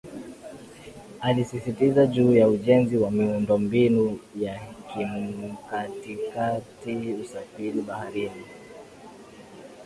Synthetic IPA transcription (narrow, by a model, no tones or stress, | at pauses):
alisisitizaʄuːjauʄɛnziwamiundɔmbinujakimkatikatiusafiliɓahaɾini